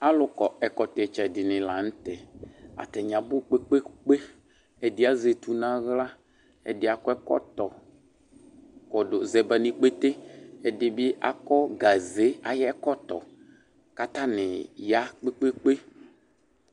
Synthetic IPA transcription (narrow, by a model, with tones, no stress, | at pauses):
a˨lʊ˨kɔ˨ɛ˨kɔ˨t̪ɛ˨t͡ʃɛ˨dɪ˨nɪ̃˨la˨ñ̩˦t̪ɛ˨a̰˨t̪ɛ˨ɲ˨ã˨bʊ˦k͡pe˦k͡pe˦k͡pe˦ | ɛ˨dɪ˦a˦ze˨t̪u˨nã˦ɣla˦ | ɛ̰˨dɪ˦a˨kɔ˦ɛ˦kɔ̰˦t̪ɔ˨ | kɔ˨do˨zɛ˨bɛ˨nĩ˨k͡pe˦t̪e˦ɛ˨dɪ˨bɪ˦a̰˨kɔ˦ɡa˨ze˨˦a˨jɛ˦kɔ˦t̪ɔ̰˨ | ka˦t̪a˦nɪ˨ja˦k͡pe˦k͡pe˦k͡pe˦